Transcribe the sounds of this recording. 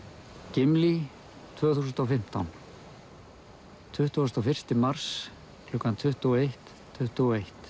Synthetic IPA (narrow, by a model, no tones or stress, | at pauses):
cɪmli | t̪ʰvœːɣθuːs̬nt̪ɔfɪm̥t̪awn | t̪ʰʏht̪uɔst̪ɔfɪr̥st̪ɪmar̥s | klʏkant̪ʰʏht̪uɔejht̪ʰːʏht̪uɔejht̪